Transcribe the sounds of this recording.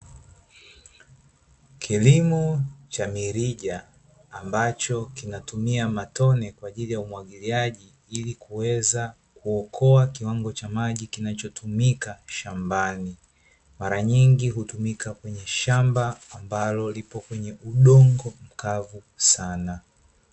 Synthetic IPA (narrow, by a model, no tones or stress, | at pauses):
kʰilimut͡ʃamiɾiʄaː | mbat͡ʃɔkinatumiamatɔnɛkwaːʄilijaumwaɠiliaʄi | ilikuwɛza | kuɔkʰɔakiwaŋɡɔt͡ʃamaʄikinat͡ʃɔtʰumikaʃambani | maɾaɲiŋɡiɦutumikakwɛɲɛʃambaːmbalɔlipɔkwɛɲɛʔuɗɔŋɡɔm̩kavu | sana